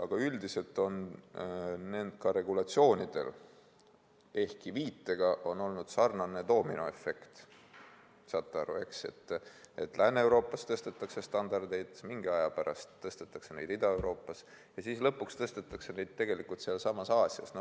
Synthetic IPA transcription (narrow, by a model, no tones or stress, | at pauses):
ɑɡ̥ɑyld̪ise̞lt̪ːˑo̞n | nend̪̥kɑɾe̞ɡ̥ulɑt̪sio̞ːnid̪̥e̞̰l | e̞hkiviːt̪ːe̞ɡ̥ɑʔo̞no̞lnud̪̥sɑrnɑne̞t̪o̞ːminoe̞fːe̞kt̪ | sɑt̪ːˑɑɾue̞̰kse̞̰t̪ːe̞t̪ːlænːeewɾo̞ːpːˑɑst̪ɤst̪et̪ːˑɑkse̞st̪ɑnd̪ɑrd̪ejd̪miŋɡ̥eɑjɑpæɾɑ̰st̪ːɤst̪et̪ːˑɑkse̞ne̞jd̪̥id̪̥ɑe̞wɾʔo̞ːpːˑɑs | jɑsiːslɤpːˑukst̪ɤst̪e̞t̪ːˑɑkse̞ne̞jd̪̥̚t̪ːe̞ɡ̥e̞likult̪seɑlsɑmɑsɑːsʲjɑ̰sno